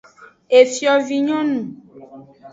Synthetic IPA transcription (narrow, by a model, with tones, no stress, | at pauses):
e˨fi˦ɔ˨vi˨ɲɔ̃˦nũ˨